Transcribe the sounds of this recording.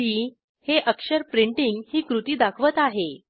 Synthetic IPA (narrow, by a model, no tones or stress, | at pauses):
iː | heʔəkʂəɾpɾiɳʈiŋɡhiːkɾut̪iːd̪akʰʋət̪aɦe